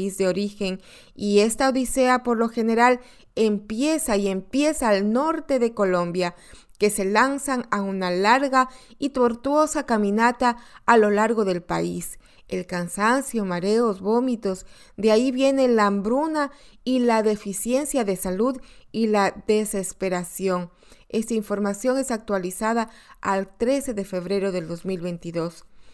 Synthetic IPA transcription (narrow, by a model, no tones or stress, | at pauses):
izðeo̞ɾixe̞ŋ | ie̞st̪aoðise̞apo̞ɾlo̞xe̞ne̞ɾal | e̞mpje̞saie̞mpje̞saːlno̞ɾt̪e̞ðe̞ko̞lo̞mbja | ke̞se̞lansaŋaunalaɾɣait̪o̞ɾt̪wo̞sakamĩnat̪aːlo̞laɾɣo̞ðe̞lpa̰is | elkansansjomaɾe̞ozβo̞mit̪o̞z | d̪eaiβje̞ne̞lambɾunailaðe̞fisje̞nsjaðe̞saluðilad̪e̞se̞spe̞ɾasjo̞ŋ | e̞st̪aiɱfo̞ɾmasjo̞ŋe̞sak̚t̪walisaðaːlt̪ɾe̞se̞ðe̞fe̞β̞ɾe̞ɾo̞ðe̞ld̪o̞zmilβe̞nt̪iðo̞s